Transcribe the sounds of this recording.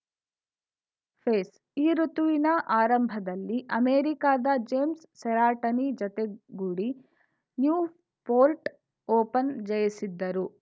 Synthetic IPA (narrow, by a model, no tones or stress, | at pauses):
pʰeːs | iːɾut̪uʋinɐʔaːɾɐmbʱɐd̪ɐlːiʔɐmeːɾikaːd̪ɐd͡ʒeːmsːɛɾaːʈɐnid͡ʒɐt̪eɡuːɽi | njuː | poːlʈ | oːpɐnd͡ʒɐjisid̪ːɐɾu